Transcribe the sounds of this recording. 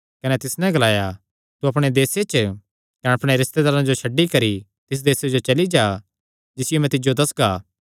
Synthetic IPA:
kɐnɛt̪ɪsnɛ̃ɡɐlaːja | t̪uɐpɽ̃ed̪eːset͡ʃ | kɐnɛɐpɽ̃eɾɪst̪ed̪aːɾãd͡ʒoʃʰɐɖːikɐɾi | t̪ɪs̬d̪eːsed͡ʒot͡ʃɐlid͡ʒaː | d͡ʒɪsɪjomɛ̃t̪ɪd͡ʒjod̪ɐsɡaː

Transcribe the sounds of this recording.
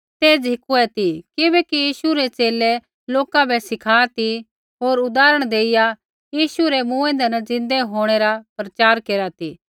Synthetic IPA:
t̪eːd͡zʱɪkuɛt̪ikɪbɛkijiːsuɾɛt͡ʃeːlɛ | loːkãbʱɛsɪkʰaːt̪i | ɦoːɾʊd̪aːɾəɽ̃d̪eːɪja | jiːsuɾɛmũːẽnd̪ɛnɛd͡zɪ̃nd̪ɛɦoːɽ̃eɾapɾɐt͡ʃaːɾkeːɾat̪iː

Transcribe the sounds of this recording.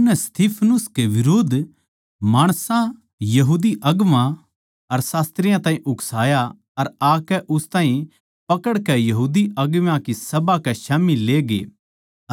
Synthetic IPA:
nɛst̪iːpʰnʊskeʋɪɾoːd̪ʱ | maːɽ̃sã | jɐɦuːd̪iʔɐɡʋã | ɐɾsaːst̪ɾɪjãt̪ãːĩʔʊksaːja | ɐɾaːkɛʔʊst̪ãːɦĩ | pɐkəɽkɛjɐɦuːd̪iɐɡʋãkisɐbakɛʃaːmileːɡḛː

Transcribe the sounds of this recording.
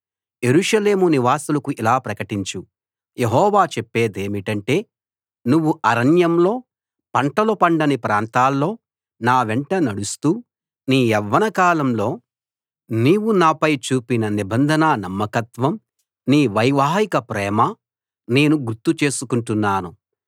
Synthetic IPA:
je̞ɾuʂɐle̞ːmuniʋaːsulɐkuʔilaːpɾɐkɐʈiɲt͡ʃu | jeɦɔːʋaːt͡ʃepːeːd̪e̞ːmiʈɐɳʈe̞ː | nuʋːuʔɐɾɐnjɐmlo̞ː | pɐɳʈɐlɐpɐɳɖɐnipɾaːnt̪aːlːo̞ː | naːʋeɳʈɐnɐɽust̪uː | niːɛʋːɐnɐkaːlɐmlo̞ː | niːʋunaːpɐjt͡ʃuːpinɐnibɐnd̪ʱɐnaːnɐmːɐkɐt̪ʋɐm | niːʋɐjʋaːɦikɐpɾɛːmɐ | ne̞ːnuɡuɾt̪ːut͡ʃe̞ːsukuɳʈunːaːnu

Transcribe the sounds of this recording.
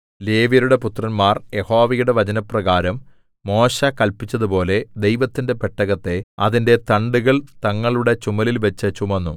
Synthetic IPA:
le̞ːʋjɐɾuɽe̞put̪rɐnmaːrje̞ho̞ːʋɐjuɽe̞ʋɐt͡ɕɐnɐprɐɣaːɾɐmː | o̞ːɕɐkɐlpit͡ɕːɐðupo̞ːle̞d̪e̞jʋɐt̪ːinde̞peʈːɐɣɐt̪ːe̞ɐðinde̞t̪ɐɳɖuɣɐɭt̪ɐŋːɐɭuɽe̞t͡ɕumɐlilʋɐt͡ɕːɐt͡ɕumɐnːṵ

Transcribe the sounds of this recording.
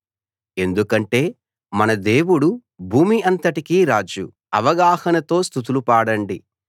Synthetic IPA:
e̞nd̪ukɐɳʈe̞ː | mɐnɐd̪e̞ːwuɽu | bʱuːmiɐnt̪ɐʈikiːɾaːd͡ʒṵ | ɐ̰ʋɐɡaːhɐnɐt̪o̞ːst̪ut̪̬ulupaːɽɐɳɖi

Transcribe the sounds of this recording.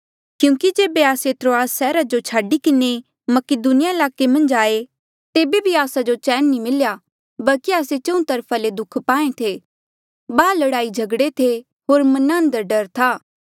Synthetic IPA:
kjũːkid͡ʒeːbeaːset̪ɾoːaːsːɛːɾad͡ʒot͡ʃʰaːɖikɪne | mɐkɪd̪unɪjaɪlaːkemɐ̃nd͡ʒaːe | t̪eːbebʱiaːsad͡ʒot͡ʃɛːnːĩmɪlja | bɐlkiaːset͡ʃɐ̃ũt̪ɐɾpʰaled̪ʊkʰpaːẽt̪ʰe | baːlɐɽaːid͡ʒʱɐɡɽet̪ʰe | ɦoːɾmɐnãːnd̪əɾɖɐɾt̪ʰaː

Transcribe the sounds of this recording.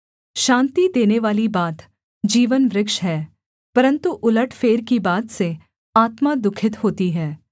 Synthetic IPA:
ʃãːnt̪id̪eːneʋaːlibaːt̪ | d͡ʒiːʋənʋɾɪkʃɦɛː | pɐɾə̃nt̪uʔʊləʈʰfeːɾkibaːt̪se | aːt̪mad̪ʊkʰɪt̪ɦoːt̪iɦɛː

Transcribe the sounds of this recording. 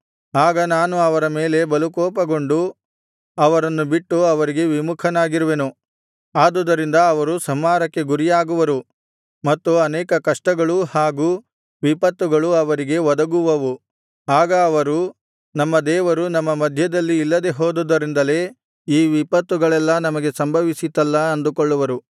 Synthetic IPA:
aːɡɐnaːnuɐʋɐɾɐmeːle̞bɐlukɔːpɐɡo̞ɳɖu | ɐʋɐɾɐnːubiʈːuɐʋɐɾiɡe̞ʋimukʰɐnaːɡiɾuʋenu | aːd̪ud̪ɐɾind̪ɐːʋɐɾusɐmːaːɾɐkːe̞ɡuɾijaːɡuʋɐɾu | mɐt̪ːuɐnɛːkɐkɐʂʈɐɡɐɭuhaːɡuː | ʋipɐt̪ːuɡɐɭuɐʋɐɾiɡe̞ʋɔd̪ɐɡuʋɐʋu | aːɡɐːʋɐɾu | nɐmːɐd̪ɛːʋɐɾunɐmːɐmɐd̪ʱjɐd̪ɐlːiːlːɐd̪e̞ɦoːd̪ud̪ɐɾind̪ɐle̞ː | iːʋipɐt̪ːuɡɐɭɛlːɐnɐmɐɡe̞sɐmbʱɐʋisit̪ːɐlːɐɐnd̪ukoɭːuʋɐɾu

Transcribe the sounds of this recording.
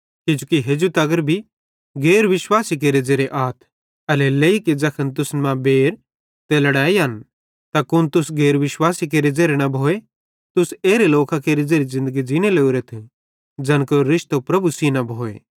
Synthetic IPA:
kɪd͡ʒukiɦed͡ʒut̪ɐɡəɾbʱi | ɡeːɾʋɪʃwaːsik̬eːɾed͡zeːɾeʔaːt̪ʰ | ɐleleiked͡zɐkʰənt̪̬ʊsmãbeːɾ | t̪elɐɽaːiɦɐn | t̪akʊnt̪ʊsɡeːɾʋɪʃwaːsik̬eːɾed͡zeːɾenɐbʱoːe | t̪ʊseːɾeloːkakeːɾed͡zeːɾizɪ̃nd̪əɡid͡ʒɪñeleːuɾet̪ʰ | d͡ʒɐnkoɾɪʃt̪opɾɐbusinɐbʱoːḛ

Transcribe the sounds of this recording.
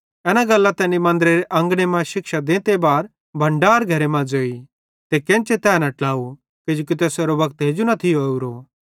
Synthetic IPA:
ɛnaɡɐlːat̪ɛːnimɐ̃nd̪ɾeɾeʔɐ̃ŋɡɽ̃emãʃɪkʃad̪ẽːt̪ebaːɾ | bʱɐ̃ɳɖaːɾɡʱɐɾemãd͡zoːi | t̪ekɛ̃nt͡ʃet̪ɛːnɐʈlaːu | kɪd͡ʒõːk̬it̪ɛːseɾobɐkt̪ɦeːd͡ʒunɐt̪ʰɪouɾo

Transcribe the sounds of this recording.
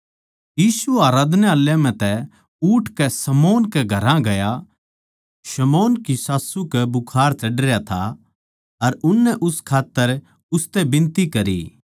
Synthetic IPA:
jiːsuaːɾaːd̪neaːljãm̤ɛ̃t̪ɛ | uːʈʰkɛsɐmoːnkɛɡʱɐɾãɡɐja | ʃɐmoːnkisaːsukɛbʊkʰaːɾt͡ʃɐɖɾjat̪ʰa̰ | ɐɾʊnːɛʔʊskʰaːt̪ːəɾ | ʊst̪ɛbɪ̃nt̪ikɐɾḭ

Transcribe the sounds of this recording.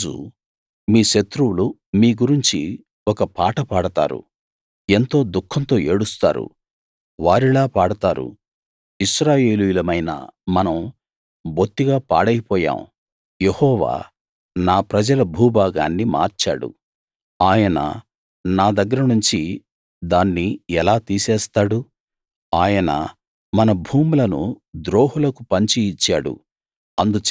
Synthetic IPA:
ṵ | miːʃɐt̪ɾuwulu | miːɡuɾiɲt͡ʃi | ɔkɐpaːʈɐpaːɽɐt̪a̰ːɾṵ | e̞nt̪o̞ːd̪ukʰːɐnt̪o̞ːeːɽust̪a̰ːɾṵ | ʋaːɾilaːpaːɽɐt̪aːɾṵ | iʃɾaːje̞ːlujulɐmɐjnɐ̰mɐnɐm | bʱot̪ːiɡaːpa̰ːɽɐjpɔːja̰ːm | jehɔːʋa̰ː | naːpɾɐd͡ʒɐlɐbʱuːbaːɡa̰ːnːima̰ːɾt͡ʃa̰ːɽṵ | aːjɐnɐ̰ | naːd̪ɐɡːɐɾɐnuɲt͡ʃi | d̪aːnːiɛlaːt̪iːsɛːst̪aːɽu | aːjɐnɐ̰ | mɐnɐbʱuːmulɐnṵd̪ɾoːɦulɐkupɐɲt͡ʃiːt͡ʃːaːɽṵ | ɐnd̪ut͡ʃ

